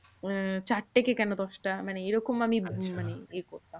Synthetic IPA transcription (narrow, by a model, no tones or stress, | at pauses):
t͡ɕaʈːekekɛnod̪ɔʃʈamaneeɾɔkomamimaneekoɾt̪am